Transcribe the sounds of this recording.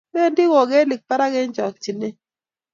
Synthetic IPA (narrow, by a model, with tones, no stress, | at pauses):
me˦ndi˦wɔ˨ɡe˦li˨k̚pa˦ɾa˦ɡe˦ɲd͡ʒɔ˨k̚t͡ʃi˨ne˦